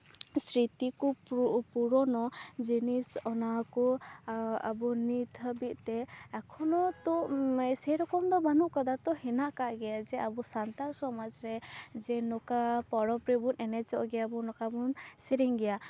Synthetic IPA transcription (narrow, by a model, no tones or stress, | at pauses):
sɾit̪ikupuɾɔnɔd͡ʒinisɔnakɔ | a̰bɔnit̪ʰəbit̪̚t̪ɛakʰɔnɔt̪ɔsɛjɾɔkɔmd̪ɔmanuʔkɔd̪at̪ɔɦɛnaʔkaʔɡɛjad͡ʒɛʔabusant̪aɾsɔmad͡ʒɾɛd͡ʒɛnɔkapɔɾɔpɾibunɛnɛt͡ʃɔʔɡɛjabɔnɔkabunsiɾiŋɡɛja